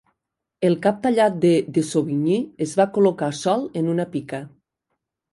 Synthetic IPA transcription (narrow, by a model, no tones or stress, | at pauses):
elˠkap̚t̪aʎat̪̚d̪ed̪esoβiɲiezβakolokasɔlˠenunapikə